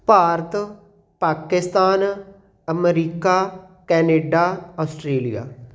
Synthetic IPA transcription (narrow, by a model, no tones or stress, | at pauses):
paːɾət̪ | paːkɪst̪aːn | əmɾiːkaː | kɛːneːɖaːɔːsʈɾeːlija̰ː